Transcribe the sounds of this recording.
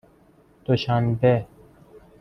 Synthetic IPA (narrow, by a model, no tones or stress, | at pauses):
d̪̥oɕanbe